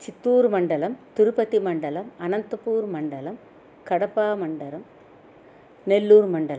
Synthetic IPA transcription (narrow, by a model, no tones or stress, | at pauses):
t͡ʃɪt̪ːuːɾmɐɳɖɐlɐmt̪ʊɾʊpɐt̪ːimɐɳɖɐlɐmɐnɐnt̪ɐpuːɾmɐɳɖɐlɐm | kɐɽɐpːaːmɐɳɖɐɾɐm | nɛlːuːɾmɐɳɖɐlɐm